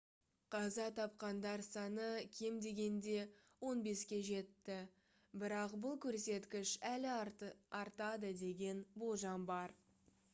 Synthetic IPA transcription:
qʰɑzɑt̪ʰɑp̚qɑnd̪ɑɾsɑnəkʲʰe̞md̪e̞ɡʲe̞nd̪e̞wo̞nbe̞skʲe̞ʒe̞t̪ːɪ | bɪɾɑqbʊlˠkʲʰɵɾse̞t̪kʲɪʃælɪɑɾt̪ɑd̪əd̪e̞ɡʲe̞nbo̞lˠʒɑnbɑɾ

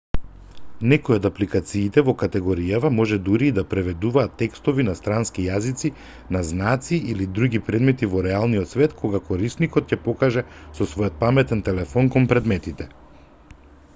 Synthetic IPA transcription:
nɛkɔjɛɔd̪aplikat̪siːt̪ɛvɔkat̪ɛɡɔɾijavamɔʒɛd̪uɾiːd̪apɾɛvɛd̪uvaːt̪ːɛkst̪ɔvinast̪ɾanskijazit̪si | naznat̪siilid̪ɾuɡipɾɛd̪mɛt̪ivɔɾɛalˠnijɔt̪svɛt̪kʰɔɡakɔɾisnikɔt̪̚cɛpɔkaʒɛsɔsvɔjɔt̪̚pamɛt̪ɛnt̪ɛlɛfɔnkɔnpɾɛd̪mɛt̪it̪ɛ

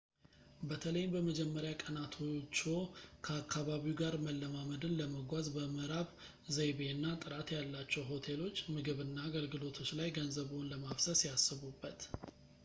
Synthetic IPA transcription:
bət̪ʰələjɪmbəməd͡ʒɛmːəɾjakʼənat̪ʰot͡ʃːokʰəakʰːaβaβiuɡaɾməlːəmaməd̪ɨnləməɡʷazbəmɨɾaβ | zəjβenːat̪ʼɨɾat̪jalːat͡ʃːɛwɦo̞t̪ʰe̞lo̞t͡ʃːmɨɡɨβɨnːaːɡəlɡɨlo̞t̪ʰo̞t͡ʃːlajɡənzəβonləmafsəsijasːɨβubːət̪

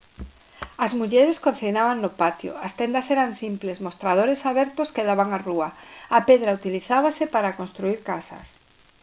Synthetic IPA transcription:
azmuʎɛɾeskon̟θinaβaŋnopat̪jo̰ast̪ɛnd̪asɛɾaŋsimplesmost̪ɾað̞oɾesaβɛɾt̪ʊskeðaβaŋaruaapeðɾaut̪iliθaβasepaɾakonst̪ɾuiɾkasɐ̰s

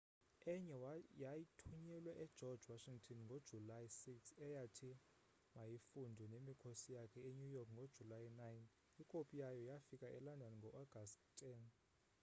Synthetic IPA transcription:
ɛɲɛjajitʰuɲɛlwɛʔɛd̥ʒ̥ʱɔd̥ʒwaʃiŋtʰɔnŋɡʱod̥ʒ̥ʱulajsiksɛjatʰi | majifundʱɛnemikʰosijakʰɛeɲujɔkʰŋɡʱod̥ʒ̥ʱulajnajn | ikʼopʼijajɔjafikʼaʔɛlandʱɔniŋɡʱɔʔɔɡ̥ʱasttʰɛn

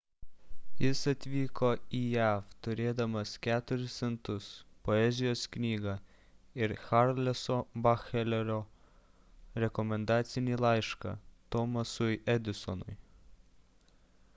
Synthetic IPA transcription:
jɪsɐt̪ʲʋʲiːkoijæːft̪ʊɾʲeːd̪ɐmɐskʲæːt̪ʊɾʲɪsʲɛnt̪ʊspɔɛzʲɪjoːsknʲiːɡɐ | ɪɾxaɾlʲɛsɔbɑxɛlʲɛɾʲoː | ɾʲɛkɔmʲɛnd̪ɑːt̪sʲɪnʲiːlˠɑɪʃkɑ̰t̪ɔmɐsʊjɛd̪ʲɪsɔnʊ̰j

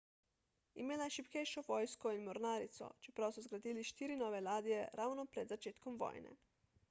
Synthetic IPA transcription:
imeːlajeʃipkɛjʃɔʋoːjskɔinmɔɾnaːɾit̪sɔ̰t͡ʃɛpɾawsɔzɡɾad̪iːliʃt̪iːɾinɔːʋelaːd̪ijɛɾaːwnɔpɾɛd̪zat͡ʃeːt̪kɔmʋɔ̰ːjnɛ̰

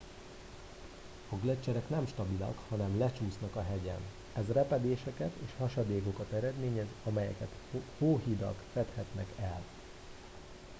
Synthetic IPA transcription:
ɒɡlɛt͡ʃːɛɾɛknɛmʃt̪ɒbilɒ̰khɒnɛmlɛt͡ʃuːsnɒkɒɦɛɟɛ̰n | ɛzrɛpɛd̪eːʃɛkɛt̪ḛːʃhɒʃɒd̪eːko̞kɒt̪ɛɾɛd̪meːɲɛzɒmɛjɛ̰kɛt̪hoːɦid̪ɒ̰kfɛt̪hɛt̪nɛkɛl

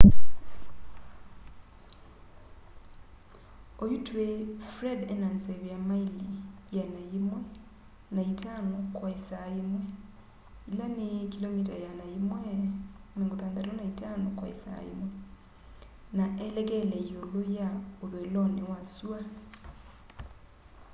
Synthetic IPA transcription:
oitwefɾɛdɛnansɛβejamailijɛnaimwɛ | naitanokwaesaemwɛ | ilanekilɔmitajanaimwɛmeŋɡoθandaɾɔnaitanɔkwa̰ḛsa̰ḛmwɛ | naʔɛlɛkɛlɛiolojaoðoelɔnewasua

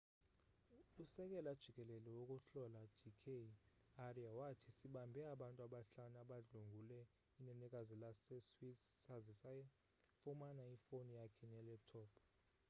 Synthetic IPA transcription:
usɛk̬ʼɛlad̥ʒ̥ʱikʼɛlɛlɛwokʼuɬɔlad̥ʒ̥ikʰe | ariawatʰisiɓambʱɛaɓantʼuaɓaɬanaɓaɮuŋɡʱulɛ | inɛnɛkʼazilasɛswissazisaɛ | fumanaifonijakʰɛnɛlɛtʰɔːpʰ

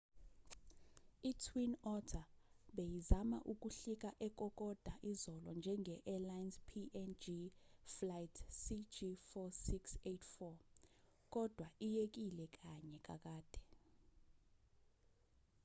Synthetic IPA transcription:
itʰwinɔtʰaɓejizamaʔuk̬ʼuɬik̬ʼaʔɛk̬ʼɔk̬ʼɔd̥ʱaʔizɔlɔnd͡ʒʱɛŋʱɛʔɛlajnspʰiʔɛnd͡ʒiflajtʰsid͡ʒifɔsiksetʰfɔ | k̬ʼɔd̥ʱwaʔijek̬ilɛk̬ʼaɲɛkʼa̰k̬ʼaːd̥ʱɛ̥

